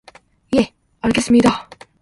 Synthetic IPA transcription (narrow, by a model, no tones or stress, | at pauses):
je̞ | aɭɡe̞s͈ɯmɲida